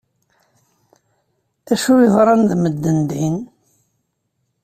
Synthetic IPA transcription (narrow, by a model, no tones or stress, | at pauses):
æʃujiðɾˤɑnðməd̪ːənd̪in